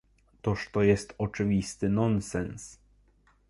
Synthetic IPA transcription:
t̪ɔʂt̪ɔjɛst̪ɔt͡ʂɘvʲist̪ɘnɔnsɛns

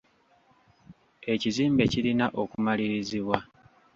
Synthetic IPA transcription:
e̞ciziːmbe̞cilinaʔokumaliɾiziβwa

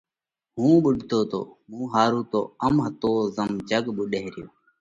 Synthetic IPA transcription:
ɦũːɓʊɖʱt̪oːt̪o̰ːmũːɦaːɾuːt̪o̰ːəmɦət̪oːzəmd͡ʒəɡɓʊɗeɦɾɪjo̰ː

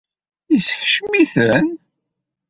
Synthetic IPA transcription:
isçʃmiθən

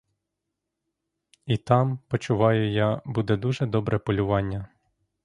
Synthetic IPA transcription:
it̪ɑmpɔt͡ʃʊʋɑjʊjɑbud̪ɛd̪uʒɛd̪ɔbɾʔɛpɔlʲʊʋɑnʲːɐ

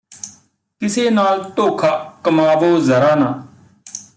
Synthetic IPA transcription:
kɪseːnaːlt̪oːkʰaːkəmaːʋoːzəɾaːnaː

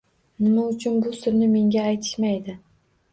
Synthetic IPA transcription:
nɪmaʊt͡ʃʰʊnbʊsʊɾnɪme̞ŋɡʲaːjt̪ʰɪ̥ʃmajd̪ɪ

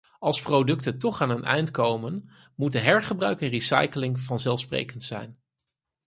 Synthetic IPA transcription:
ɑlˠsprowdɵktətɔχaːnənʔɛ̰jntkowmən | mut̚dəɦɛɹχəbrœɥkənrisɑ̰jkəlɪŋvɑnzɛlˠfsprḛjkəntsɛ̰jn

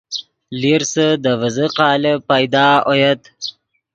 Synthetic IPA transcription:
liɾsəd̪əvəzəqɑːləpajd̪ɑːojat̪

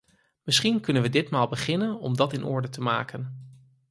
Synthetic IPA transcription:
mɪsχinkɵnənʋədɪtmaːlˠbəχɪnənɔ̰mdɑtɪnʔɔ̰ɹdətəma̰ːkən

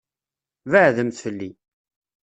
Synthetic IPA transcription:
vəʕðəmθfəlːi

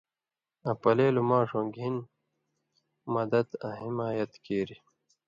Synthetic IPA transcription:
ɐ̃pɐleːlumãːʂõɡʱin | mɐd̪ɐd̪ɐ̰̃ɦimaːjɐt̪keːɾi

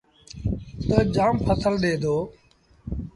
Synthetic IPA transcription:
t̪əd͡ʒaːmpʰəsəlɗeːd̪ʱoː

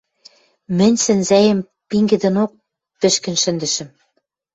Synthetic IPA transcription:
mɘ̆nʲsɘ̆nzæjə̆m | piŋɡɘ̆d̪ɘ̆nok̚ | pɘ̆ʃkɘ̆nʃɘ̆nd̪ɘ̆ʃɘ̆m

